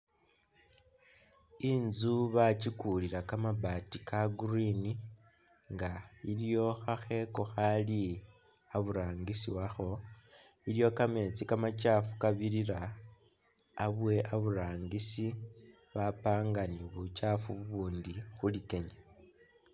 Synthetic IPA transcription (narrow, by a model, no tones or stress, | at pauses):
inzuβat͡ʃikuliɾakamabatikaɡurini | ŋɡailjo̞xaxe̞ko̞xali | aβuɾaːŋɡisiwaxo̞ | iljo̞kame̞t͡sikamat͡ʃafu̥kaβiɾiɾa | βwe̞ʔaβuɾaːŋɡisi | βapaːŋɡaniβut͡ʃafuβuβuːndixulike̞ɲa